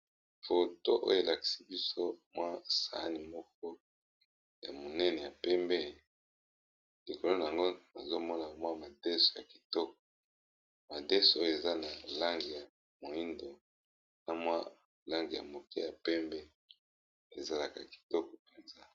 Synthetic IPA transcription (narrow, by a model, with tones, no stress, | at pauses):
fo˨to˦ʔo̰˦jo˨e˨la˨ki̥˨si˦bi˦so˦mwa˦sa̰˨˦ni˨mɔ˦k̚ɔ˦ | ja˨mo˨nɛ˦nɛ˨ja˨pɛ˦mbɛ˦˨ | li˨ko˨lo˦na˨a˨ŋɡo˦na˨zo˦mɔ˦na˨mwa˦ma˨de˦so˨ja˨ki˨tɔ˦k̚ɔ̥˨ | ma˨de˦so˨o˦jo˦˨e˨za˦na˨la˦ŋɡi˨ja˨ | mo˨i˦ndo˨ | na˨mwa˦ | la˦ŋɡi˨ja̰˨mo˨ke˦ja˨pɛ˦mbɛ˦ | e˨za˨la˨ka˨ki̥˨tɔ˦kɔ˨pe˨nza˦